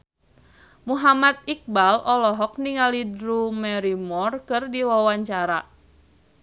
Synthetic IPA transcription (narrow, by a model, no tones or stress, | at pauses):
muɦamat̪̚ik̚balɔlɔɦɔk̚niŋalidɾumɛɾimɔrkɨrdiwawaɲt͡ʃaɾa